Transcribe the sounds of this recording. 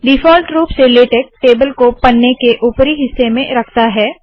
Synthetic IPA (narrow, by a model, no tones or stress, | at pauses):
ɖɪfɔːlʈɾuːpseleːʈeːk̚ʈeːbəlkopɐnːekeʔuːpɾiɦɪsːemẽɾɐkʰt̪aɦɛː